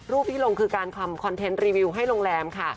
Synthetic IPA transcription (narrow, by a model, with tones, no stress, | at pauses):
ɾuː˥˩p̚t̪ʰiː˥˩lo˧ŋkʰɯː˧kaː˧nkʰa˧mkʰɔ˧nt̪ʰe˦˥nɾiː˧wi˧wɦa˥˩jlo˧ŋlɛː˧mkʰa˥˩